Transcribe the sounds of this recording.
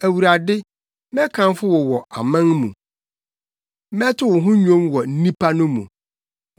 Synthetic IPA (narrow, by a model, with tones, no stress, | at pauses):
æ˨wu˨ɾa˨dɪ˦ | mɛ̃˦kʰã˨nfʊ˦wɔ˨wɔ˨ʔa̰˨mã˦ŋmṵ̃˨˦ | mɛ̃˦tʰʊ˦wʊ̃˨ɦʊ̃˦ɲᶣõ˦mwɔ˨n̩˦nĩ˦pʰa˦nʊ̃˦mṵ̃˨